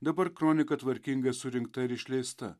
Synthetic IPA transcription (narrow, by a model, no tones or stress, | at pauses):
d̪ɐpɐɾkɾoːnʲɪkɐt̪ʋɐɾʲkʲiŋɡesuɾʲɪŋɡt̪ɐɾiʃlʲeːst̪ɐ̰